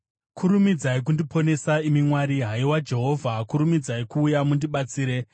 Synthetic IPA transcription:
kʰuɾumid͡zaik̬undipʰo̞ne̞saimimwaɾiɦaiwad͡ʒe̞ɦo̞vʱakuɾumid͡zaikuːjamundiɓat͡siːɾe̞

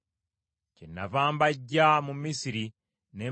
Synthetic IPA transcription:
cenːavaːmbaɟːamumisiɾi | ne̞ː

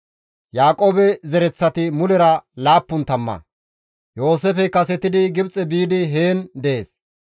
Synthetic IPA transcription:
jaːkʼoːbɛzɛɾɛt͡sːɐt̪ɪmʊlɛɾɐlaːpːʊnt̪ɐmːɐ̰ | jo̞ːseːfɛkɐsɛt̪ɪd̪ɪɡɪbt͡sʼɛbiːd̪ɪɦeːnd̪ɛʔeːs

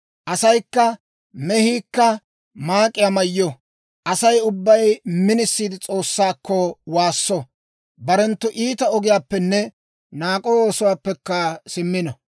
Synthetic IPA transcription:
ʔɐsɐjkːɐ | mɛhiːkːɐ | maːkʼːɪjamɐjːɔ | ʔɐsɐjʊbːɐjmɪnɪsːiːd̪ɪt͡sʼo̞ːsːaːkːɔwaːsːɔ | bɐɾɛnt̪ːʊʔiːt̪ɐɔɡɪjaːpːɛnːɛ | naːkʼowoːsʊwaːpːɛkːɐsɪmːɪnɐ

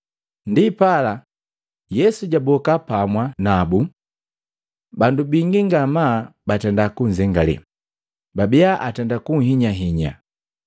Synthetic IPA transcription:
ndipala | jɛsuɟabɔkapamwanabu | bandubiŋɡiŋɡamabatɛndakuɲzɛŋɡalɛ̰ | babiaʔatɛndakuŋ̩hiɲaɦiɲa̰

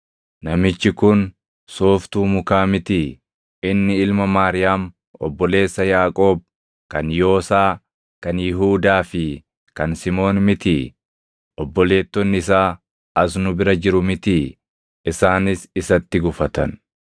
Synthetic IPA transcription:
nɐmɪt͡ʃːɪkʊn | soːft̪uːmʊkaːmɪt̪iː | ɪnːɪɪlmɐmaːɾɪjaːm | ɔ̰bːɔle̞ːsːɐjaːkʼo̞ːb̚ | kɐnjo̞ːsaː | kɐnjɪɦuːd̪aːfɪ | kɐnsɪmo̞ːnmɪt̪iː | ʔɔbːɔle̞ːt̪ːɔnːɪsaː | ɐs̬nʊbɪɾɐd͡ʒɪɾʊmɪt̪iː | ɪsaːnɪsɪsɐt̪ːɪɡʊfɐt̪ɐ̰n

